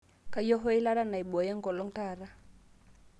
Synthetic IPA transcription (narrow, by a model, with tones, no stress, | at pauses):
ka˨jɔ˦ɦɔ˦i˦la˦ɾa˦na˨i˨ɓɔ˨jɛ˦ŋ˦kɔ˨lɔ˦ŋta˦˨ɾa˦